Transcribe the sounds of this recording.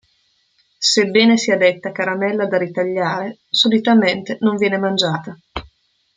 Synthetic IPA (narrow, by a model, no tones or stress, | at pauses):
sebːɛːnesiad̪et̪ːakaɾamɛlːad̪aɾit̪aʎːaːɾesolit̪ament̪enoɱvjɛːnemand͡ʒaːt̪a